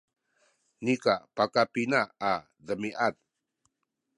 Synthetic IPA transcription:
nikapakapinaː | dəmiʔat̪̚

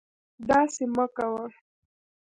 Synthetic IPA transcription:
d̪ɑseməkawa

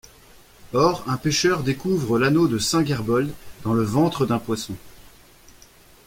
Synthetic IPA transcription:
ɔʁɛ̃peʃœʁd̪ekuvʁəlanod̪əsɛ̃ɡʲɛʁbɔld̪d̪ɑ̃ləvɑ̃t̪χəd̪ɛ̃pwasɔ̃

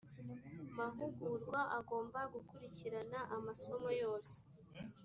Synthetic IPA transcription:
mavuɡuɾɡwaʔaɡo̞ːmbaɡukuɾiciɾanaʔamaso̞mo̞jo̞ːse̥

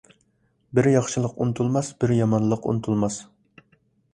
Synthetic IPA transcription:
bɪɾjɑχʃɨlˠəqunɨt̪ʰulˠmɑsbɪɾjɑmɑnlˠəqṵnɨt̪ʰulˠmɑs

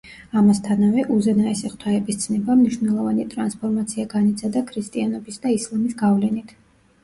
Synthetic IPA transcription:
amast̪ʰanavɛʔuzɛnaɛsiχt̪ʰwaɛbist̪sʰnɛbamniʃwnɛlˠɔvanit̪ʼɾanspʰɔɾmat̪sʰiaɡanit̪sʰad̪akʰɾist̪ʼianɔbisd̪aislˠamisɡavlɛnit̪ʰ

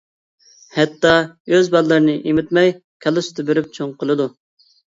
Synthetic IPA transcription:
hɛt̪ːɑøzbɑd̪lːˠɨɾɨnɨʔimɪt̪mɛjkʲʰɛlˠɨst̪ɨbeɾyp̚t͡ʃʰoŋqʰəlˠɨd̪u

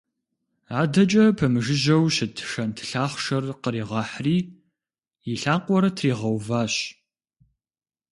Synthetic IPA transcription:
aːdɐt͡ʃʼɐpʰɐmɨʒɪʑɐwɕɪtʰʂɐntʰɨ̥ɬaːχʷʃɐrqəɾiːʁɑːħriː | jiɬaːqʷʼɔɾɐtʰriːʁɐwvaːɕ

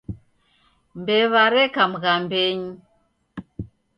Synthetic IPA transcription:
mbɛβaɾɛkam̩ɣambɛɲi

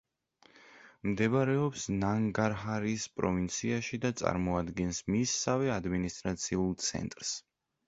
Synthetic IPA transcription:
md̪ɛβaɾɛɔpsnaŋɡaɾɦaɾispʼɾɔ̰vint̪sʰiaʃid̪at̪sʼa̰ɾmɔad̪ɡɛnsmisːavɛad̪minist̪ʼɾat̪sʰiulˠt̪sʰɛ̰nt̪ʼɾs

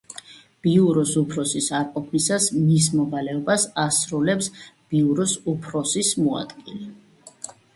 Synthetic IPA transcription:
b̥iuɾɔsupʰɾɔsisaɾqʼɔpʰisasmismɔvalɛɔbasasɾulɛpsb̥iuɾɔsupʰɾɔsismua̰d̪̥ɡilɛ

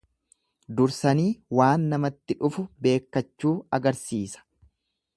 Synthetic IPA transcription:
d̪ʊɾsɐniːwaːnːɐmɐt̪ːɪᶑʊfʊbe̞ːkːɐt͡ʃːuːɐɡɐɾsiːsɐ̥

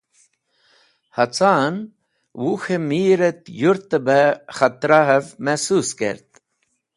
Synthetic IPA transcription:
hɐt͡saːn | wuxemiːɾet̪juɾt̪əbexɐt̪ɾaɦevmɛsuskḛɾt̪̚

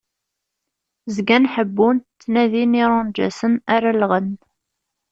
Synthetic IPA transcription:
zɡænħəbːunt̪ːnæðiniɾˤʊnd͡ʒæ̰sənaɾalʁən

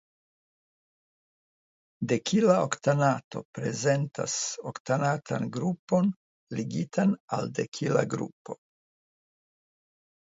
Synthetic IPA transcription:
de̞kʰilaoktanato̞̰pɾe̞ze̞nta̰soktanatʰa̰nɡɾupo̞n | liɡitʰana̰lde̞kʰila̰ɡɾṵpo̞

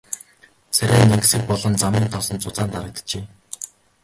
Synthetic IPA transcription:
t͡sʰæɾʲæːneŋɡ̆sɘ̆k̚pɔɮɞ̆nt͡samiːnt̪ʰɔsɞ̆nt͡sʊt͡saːnt̪aɾə̆k̚t̪ə̥̆t͡ɕeː

